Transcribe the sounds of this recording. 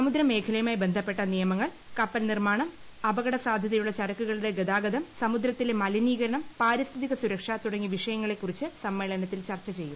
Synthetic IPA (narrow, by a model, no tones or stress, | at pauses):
ssɐmud̪ɾɐmːe̞ːkʰɐlɐjɐmaːjbe̞nd̪ʱɐpːeʈːɐnijɐmɐŋːɐɭ | kɐpːɐlnirmaːɳɐm | ɐbɐɣɐɽɐsaːd̪ʱjɐðɐjuɭːɐt͡ɕɐɾɐkːuɣɐɭuɽe̞ɡed̪aːɡɐd̪ɐmsɐmud̪ɾɐt̪ːilemɐliniːɣɐɾɐɳɐmpaːɾist̪ʰiðiɣɐsuɾɐkʂat̪uɽɐŋːiʋiʂɐjɐŋːɐɭe̞kːurit͡ɕːɨsɐmːeːɭɐnɐt̪ːilt͡ɕɐrt͡ɕːɐt͡ɕe̞jːum